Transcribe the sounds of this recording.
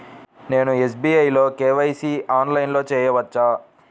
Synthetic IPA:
ne̞ːnues̬biːɐjlo̞ːkeːʋɐjsiaːnlɐjnlo̞ːt͡ʃɛːjɐʋɐt͡ʃːaː

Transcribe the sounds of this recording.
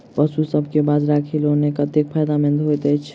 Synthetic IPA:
pəsusəb̚ʱkebaːd̪ɾaːkʰiloːnekat̪ekpʰaːjd̪amɪ̃nd̪ɦot̪ɛt͡ʃʰ

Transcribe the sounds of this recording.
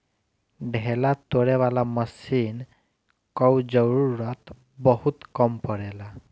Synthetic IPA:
ɖʱelat̪ːoɽeʋalaməsin | kəwd͡zəwɾuɾat̪ | bəɦut̪kəmpəɽɛla

